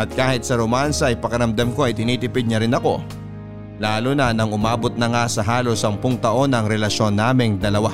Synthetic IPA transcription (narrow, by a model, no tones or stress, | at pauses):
ʔɐt̪̚kaːhɪt̪̚sɐɾomansɐʔɪpɐkɐɾɐmd̪ɐmko̞ʔɐjt̪ɪniːt̪ɪpɪd̪̚ɲɐɾɪnɐko̞̰ | laːlonɐnɐŋʊmaːbot̪̚nɐŋasɐɦaːlo̞sɐmpoŋt̪ɐʔo̞nɐŋɾɛlɐʃo̞nːaːmɪŋd̪ɐlɐwa